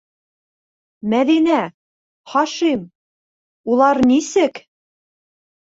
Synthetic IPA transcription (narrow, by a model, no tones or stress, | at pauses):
mæðinæ | χɑʃim | ulˠɑɾnisɘk